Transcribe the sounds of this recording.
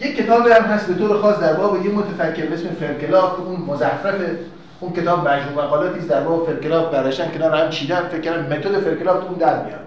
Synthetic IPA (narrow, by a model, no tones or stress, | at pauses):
jekʲʰːe̞t̪ʰɒːbihæmɦæst̪be̞t̪oːɾexɒːsd̪æɾbɒːbejemot̪ʰæfækʰːeɾbeesmefelkelɒːft̪ʔunmozæfæfe | unkʰe̞t̪ʰɒːbmæd͡ʒɾuːmæɣɒːlɒːt̪ʰiːsd̪æɾbɒːbefelkelɒːf̚bæɾd̪ɔʃt̪ænkʰenɒːɾehæmt͡ʃʰiːd̪ænfek̚ʰːæɾd̪æmːmet̪ʰod̪efelkelɒːft̪ʰuuːnd̪æɾmḭjɒ̰ːd̪̥